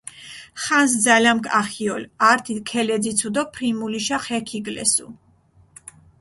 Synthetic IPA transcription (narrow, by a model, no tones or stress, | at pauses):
χans̬d̪zalamkʼaχiɔlaɾt̪ʰikʰɛlɛd̪zit̪sʰud̪ɔpʰɾimuliʃaχɛkʰiɡlɛ̰sṵ